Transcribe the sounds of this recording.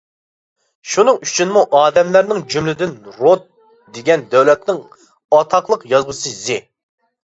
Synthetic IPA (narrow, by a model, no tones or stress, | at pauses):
ʃunɨŋyt͡ʃʰynmuʔɑːd̪ɛmlæɾnɪŋd͡ʒymlɪd̪ɪnɾot̪̚ | d̪eɡʲɛnd̪ɛwlɛt̪nɪŋ | ɑt̪ʰɑqlˠəqjɑzʁəsɨzɪ